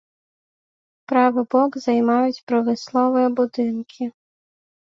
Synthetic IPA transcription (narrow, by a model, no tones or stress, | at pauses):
pɾɑʋɪbɔɡzɐjmɑjʊtʲpɾɐʋɪslˠɔʋɔjɛbʊd̪ɪnkʰɪ